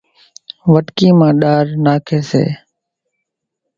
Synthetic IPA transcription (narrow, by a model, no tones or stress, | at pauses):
ʋəʈkiːmãːɗaːɾnaːkʰeːsḛː